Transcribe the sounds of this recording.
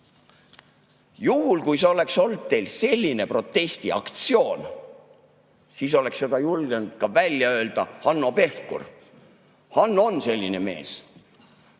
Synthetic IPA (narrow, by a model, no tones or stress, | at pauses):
juhulkujseo̞le̞kso̞ld̪̥̚t̪e̞jlse̞lʲːine̞pro̞t̪ːˑe̞st̪iɑ̰kt̪sio̞ːn | siːso̞le̞ksːe̞d̪̥ɑjulɡ̥end̪̥kɑvælʲːjɑø̞ːld̪̥ɑhɑnːope̞fkṵr | hɑnːo̞nse̞lʲːine̞me̞̰ːs